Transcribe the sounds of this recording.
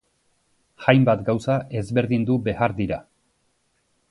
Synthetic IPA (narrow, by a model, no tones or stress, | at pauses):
ʝajmbat̪ɡawsae̞zβe̞ɾðind̪ube̞aɾd̪iɾa